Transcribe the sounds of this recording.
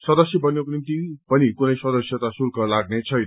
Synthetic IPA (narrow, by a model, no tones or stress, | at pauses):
sʌd̪ʌsjʌbʌnjekonint̪ipʌnikunʌjsʌd̪ʌsjʌt̪asurkʰʌlaɡnet͡sʰʌjn